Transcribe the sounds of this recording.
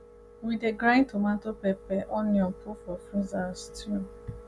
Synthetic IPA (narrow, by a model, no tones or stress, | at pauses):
wideɡɾãɪ̃ntomãntopɛpɛʔɔniɔ̃pʰufɔfuzastʰu